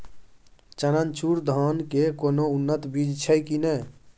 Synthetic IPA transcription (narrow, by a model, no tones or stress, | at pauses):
t͡ʃənənt͡ʃuɾd̪ʱɔnkekoːnounːət̪bid͡ʒt͡ʃʰəjkinə